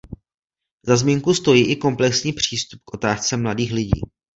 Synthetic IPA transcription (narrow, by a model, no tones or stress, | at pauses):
zazmiːŋkust̪o̞jiːʔɪko̞mplɛksɲiːpr̝̥iːst̪up̚kʔo̞t̪aːst͡sɛmladiːxlɪɟḭː